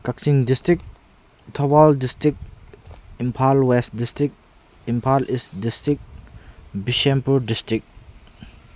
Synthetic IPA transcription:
kak̚siŋdistɾik̚ | tʰɔbaldistɾik̚ | impʰalwestdistɾik̚ | impʰalʔisdistɾik̚ | biʃempuɾdistɾik̚

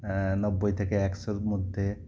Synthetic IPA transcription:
nɔbːojt̪ʰekeɛksoɾmod̪ʱːe

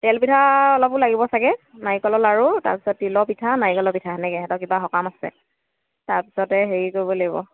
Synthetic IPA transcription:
tɛlbitʰaɔlɔpʊlaɡibɔsakɛnajikɔlɔlaɹuta̰ɹpi̥sɔtːilɔpitʰanajikɔlɔpitʰaɦɛnɛkɛɛtɔkibaxɔkamasɛ̰ | taɹpi̥sɔtɛɦeɹikoɹibɔlaɡibɔ̰

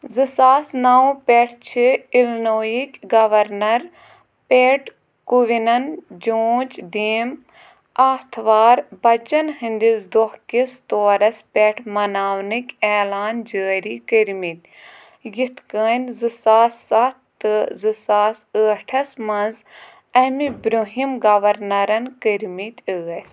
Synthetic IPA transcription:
zɨsaːsnaːwpeʈʰt͡ʃʰiilnoːjikʲɡɐʋɐɾnɐɾ | peːʈʰ | kuʋinɐnd͡ʒoːt͡ʃd̪iːm | aːt̪ʰʋaːɾbɐt͡ʃɐnhĩnd̪izd̪ɔhkist̪oːɾɐspeːʈʰmɐnaːwnikʲeːlaːnd͡ʒəːɾikəɾmit̪ʲ | jit̪ʰkəːnzɨsaːsːɐt̪ːɨzɨsaːsəːʈʰɐsmɐnz | ɐmibɾoɦimɡɐʋɐɾnɐɾɐnkəɾmit̪ʲəːɐs

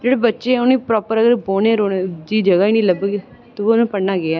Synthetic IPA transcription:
d͡ʒeːɽebətːʃeʊnĩːpɾɔːpəɾəɡəɾboːnẽːɾoːned͡ʒiːd͡ʒəɡaːinĩːləbɡe | t̪oʋonũːpəɽnaːɡɪaː

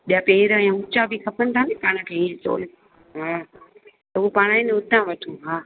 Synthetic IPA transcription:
ɓijapeːɾəɛ̃ːɦʊ̃t͡ʃabʱixɐpəmt̪ʰanipaːɽ̃əkʰeːiet͡ɕo̰ːl | ɦaː | t̪ɐuopaːɽ̃aːĩnʊt̪ãʋɐʈʰũːɦaː

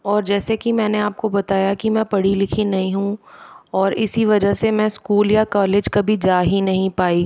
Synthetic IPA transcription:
ɔːɾd͡ʒɛːsekimɛ̃ːneaːp̚kobɐt̪aːjakimɛ̃pɐɽilɪkʰinɐɦĩɦũɔːɾɪsiʋɐd͡ʒəsemɛ̃skuːljakɔːleːd͡ʒkɐbʱid͡ʒaːɦinɐɦĩpaːi

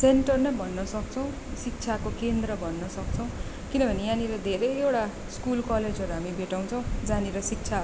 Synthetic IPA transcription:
seɳʈʌrnʌjbʱʌnːʌsʌk̚t͡sʰʌw̃ | sik̚t͡sʰakokend̪rʌbʱʌnːʌsʌk̚t͡sʰʌ̃w̃ | kinʌbʱʌnijãnilʌd̪ʱeɾʌjewʈa | skulkʌled͡zʌɾuɦamibʱeʈaw̃t͡sʰʌw̃d͡zaneɾʌsik̚t͡sʰa

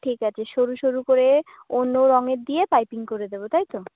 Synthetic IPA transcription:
ʈʰikat͡ɕʰeʃoɾuʃoɾukoɾeonːoɾɔŋeɾd̪ijepajpiŋkoɾed̪ebot̪ajt̪o

